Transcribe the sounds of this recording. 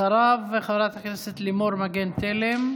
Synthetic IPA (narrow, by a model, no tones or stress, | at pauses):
aɾaveχaveɾat̪hakneset̪limo̞ɾmaɡent̪elem